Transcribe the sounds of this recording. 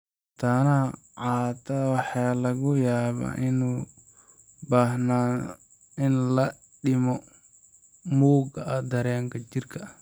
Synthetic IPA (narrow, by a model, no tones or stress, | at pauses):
t̪ʰɐnɐ | ʕɑːt̪ʰɐwɑħɑːlɐɣʊjaːβa̰ːʔɪnuː | baːɦnaː | ɪnlɐ | ɖɪmɔ | muːɡɐɐd̪ɐɾɛːŋkʰɐt͡ʃɪrkʰɐ